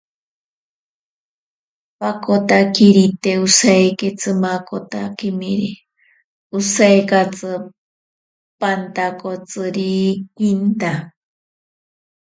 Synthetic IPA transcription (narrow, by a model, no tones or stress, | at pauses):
pakot̪akiɾit̪eusaeket͡sɨmakot̪akimiɾi | usajkat͡sɨ | pant̪akot͡sɨɾikint̪a